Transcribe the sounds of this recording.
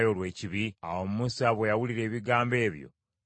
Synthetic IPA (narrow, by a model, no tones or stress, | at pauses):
jo̞lwe̞ːciβia̰wo̞mumusaβwe̞jawuliɾe̞ːβiɡaːmbe̞ːβjo̞̰